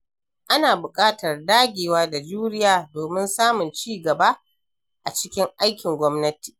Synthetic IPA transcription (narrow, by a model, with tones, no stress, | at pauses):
ʔa˦naː˨bʊ˨kʼaː˦tɐ˨rdaː˦ɡʲeː˨waː˦da˨d͡ʒuː˦ɾɪ˦jaː˨doː˨mɪ˦nsaː˦mʊ˨nt͡ʃiː˦˨ɡɐ˨ba˦ | ʔa̰˨t͡ʃɪ˦kʲɪ˦ŋʔa˦jkʲɪ˨ŋɡʷɔ˦mnɐ˦ti̥ː˨